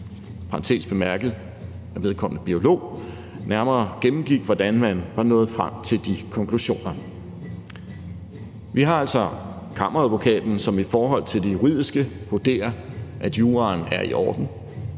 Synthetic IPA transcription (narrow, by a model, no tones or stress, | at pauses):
pʰɑɑnt͡sʰe̝̰ːsb̥e̝mæɐɡ̥əð̩ˠ | æɐʋe̝ð̞ˠkʰɒ̽m̰nəb̥io̝lo̝̰ː | næɐmɐːɡ̥emm̩ɡ̥iɡ̥ʋɒd̥ænmænʋɑ̈nɔ̽ːð̞̩ˠfʁam̰t͡sʰe̝ld̥ikʰɒ̽ŋkʰluɕo̝̰ːnɐ | ʋiɦɑ̈æl̰sɒ̽ | kʰɑ̈m̰ʔɐʁæðˠʋo̝kʰɛ̰ːd̥n̩sɒ̽mifɒːɦɒ̽l̰t͡sʰe̝ld̥e̝juʁið̞̰ˠisɡ̥ə | hod̥e̝̰ːɐʔæd̥juːʁɑːnæɐḭʔɒ̰ːd̥n̩